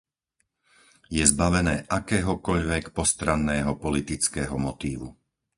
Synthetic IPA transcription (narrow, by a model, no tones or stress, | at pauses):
jɛzbaʋɛnɛːʔakɛːɦɔkɔʎʋɛkpɔst̪ɾanːɛːɦɔpɔlit̪it͡skɛːɦɔmɔt̪iːʋu